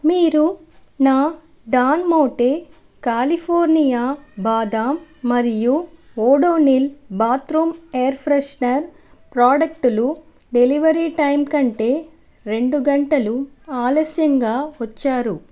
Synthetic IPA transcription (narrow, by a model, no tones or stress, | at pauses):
miːɾu | naː | ɖaːnmoːʈeː | kaːlipʰoːɾnijaːbaːd̪aːmːɐɾiju | oːɽoːnilbaːt̪ɾumejɐɾpʰɾeʂnɐɾ | pɾaːɖɐk̚ʈulu | ɖe̞liʋɐɾiʈɐjmkɐɳʈe̞ː | ɾe̞ɳɖuɡɐɳʈɐlu | aːlɐsjɐŋɡaːʋɐt͡ʃːaːɾu